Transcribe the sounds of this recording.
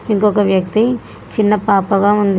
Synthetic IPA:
iŋkɔkɐʋjɐk̚t̪i | t͡ʃinːɐpaːpɐɡaːund̪

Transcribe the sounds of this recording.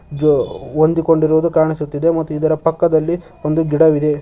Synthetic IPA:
d͡ʒond̪iko̞ɳɖiɾuʋud̪ukaːɳisut̪ːid̪e̞mɐt̪ːuid̪ɐɾɐpɐkːɐd̪ɐlːi | o̞nd̪uɡiɽɐʋid̪e̞

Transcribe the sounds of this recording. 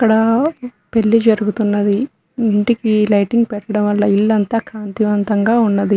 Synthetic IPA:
ɐkːɐɽɐ | pe̞ɭːid͡ʒɐɾuɡut̪unːɐd̪iː | ɳʈikilɐjʈiŋɡpɛʈːɐɽɐmʋɐlːɐilːɐnt̪aːkaːnt̪iʋɐnt̪ɐŋɡaːunːɐd̪i

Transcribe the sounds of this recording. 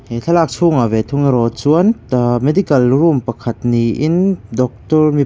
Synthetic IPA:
heɬʰɐlaːk̚t͡sʰuːŋavet̪ʰuŋiɾɔt͡suənmed̪ikɐlrumpɐkʰɐt̪niʔɪndɔk̚t̪ɔrmi

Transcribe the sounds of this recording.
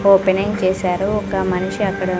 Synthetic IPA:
oːpeneŋt͡ʃeːsaːɾuɔkɐmɐnuʂiɐkːɐɽɐ

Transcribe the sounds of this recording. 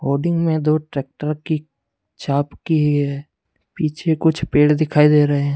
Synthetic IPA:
ɦoːɾɖɪ̃ŋɡmẽd̪oːʈɾeːk̚ʈəɾki | t͡ʃaːpkiɦɛ | piːt͡ʃʰekʊt͡ʃʰpeːɽd̪ɪkʰaːid̪eɾəɦeɦɛ̃

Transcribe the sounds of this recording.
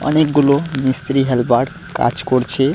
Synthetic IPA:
ʌ̰nek̚ɡulomist̪ɾiɦelbaɖ | ka̰t͡ʃkɔɾt͡ʃʰe

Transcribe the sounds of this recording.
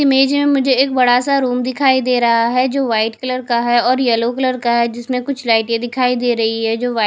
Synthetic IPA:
ɪmeːd͡ʒmẽmʊd͡ʒʱeeːkbɐɽasaɾuːmd̪ɪkʰaːid̪eːɾɐɦaɦɛd͡ʒoːʋaːɪʈkɐləɾkaɦɛɔːɾjɛlokɐləɾkaɦɛd͡ʒɪsmẽkʊt͡ʃʰlaːɪʈjẽd̪ɪkʰaːid̪eːɾɐɦiɦɛd͡ʒoːʋaː

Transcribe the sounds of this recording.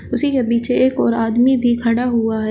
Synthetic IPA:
ʊsikebiːt͡ʃʰeeːkɔːɾaːd̪mibʱikʰɐɽaɦuaɦɛː

